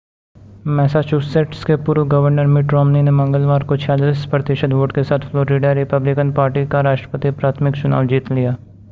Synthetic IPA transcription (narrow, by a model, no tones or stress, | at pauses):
mɛːsat͡ʃuːseʈskepuːɾʋɡɐʋəɾnəɾmɪʈɾɔːmninemɐ̃ŋɡəlʋaːɾkot͡ʃʰaːd͡ʒlɪspɾət̪ɪʃəd̪ʋoːʈkesaːt̪ʰflɔːɾiɖaɾɪpəblɪkənpaːɾʈikaɾaːʃʈɾə̥pət̪ipɾaːt̪ʰmɪkt͡ʃʊna̰ːʋd͡ʒiːt̪lijaː